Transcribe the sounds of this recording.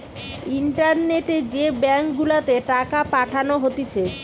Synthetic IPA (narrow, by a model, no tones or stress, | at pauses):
iɳʈaɾneʈed͡ʑebɛŋkɡulat̪eʈakapaʈʰanoɦot̪it͡ɕʰe